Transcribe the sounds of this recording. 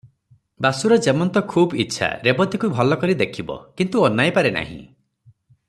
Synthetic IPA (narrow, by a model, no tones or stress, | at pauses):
basuɾɔd͡ʒemɔnt̪ɔkʰuːbḭtːʃʰa̰ɾebɔt̪ikubʱɔlɔkɔɾid̪ekʰibɔ̰kint̪uɔnːajpaɾena̰ɦḭ̃